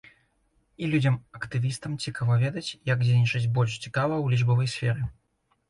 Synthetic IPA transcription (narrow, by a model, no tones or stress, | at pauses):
ilʲud͡zʲɐmɐkt̪ɨvʲist̪ɐmt͡sʲikavɐvʲɛd̪ɐt͡sʲjɐɡd͡zʲenʲit͡ʂɐzʲbɔlʲʂt͡sʲi̥kavɐwlʲiʐbɐvɐjsʲfʲɛɾɨ